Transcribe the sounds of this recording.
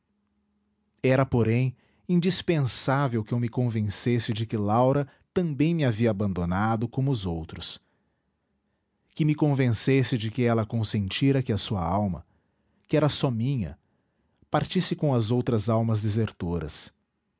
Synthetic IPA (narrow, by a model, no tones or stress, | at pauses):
ɛɾɐpoɾẽj̃ | ĩnd͡ʒispẽsavewkɪewmɪkõvẽsesɪd͡ʒɪkɪlawɾɐ | t̪ɐ̃bẽj̃mɪaviɐːbɐ̃nd̪onad̪ʊkõmʊːzowt̪ɾʊs | kɪmɪkõvẽsesɪd͡ʒɪkɪɛlɐkõsẽnt͡ʃiɾɐkɪɐsuɐ̰awmɐ̰ | kɪɛɾɐsɔmĩɲɐ̰ | paɾt͡ʃisɪkõɐzowt̪ɾɐzawmɐzd̪ezeɾt̪oɾɐ̰s